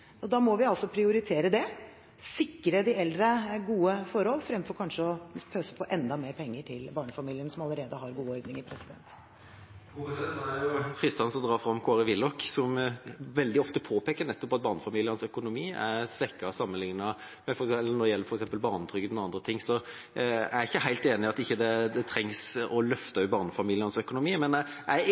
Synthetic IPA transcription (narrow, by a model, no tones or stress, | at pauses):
ɔd̪ɑːmɔʋɪɑlsɔpʰɾɪʊɾɪt̪ʰeːɾəd̪ɛ | sɪkːɾəd̪ɪɛld̪ɾəɡuːəfɔɾhɔlːfɾɛmfɔɾkʰɑnʂəɔpʰøːsə̥pʰɔʔɛnd̪ɑmeːɾpʰɛŋːəʈʰɪlbɑːɳəfɑmiːlɪənsɔmɑləɾeːd̪əɦɑɾɡuːɔɾd̪nɪŋɪpʰɾɛsɪd̪ɛ̰nt̪ | ɡuɛt̪næɾjʊfɾɪst̪ɑnsɔmd̪ɾɑːɾfɾɑmːkʰoːɾəʋɪlːɔksɔmʋɛld̪ɪɔft̪əpʰoːpʰeːkəɾɳɛt̪ːɔpɑt̪̚bɑːʁnəfɑmiːlɪənsœkʊnʊmiːæɾsʋɛkːɑsɑmːənlɪŋnɑ | mɛfɔɾɛɛlːənɔd̪ɖɛjɛlːəɾfɔɾɛksɛmpəlbɑːʁnət̪ʰɾʏɡət̪nɑnd̪ɾət̪ʰɪŋsɔ | æ̰ɪçːəhæɪlt̪eːnɪɑt̪ɪçːəd̪ɛd̪ɛt̪ʰɾɛŋsɔlœft̪əœʉbɑːʁnəfɑmiːlɪənsœkʊnʊmiːmɛnæɪ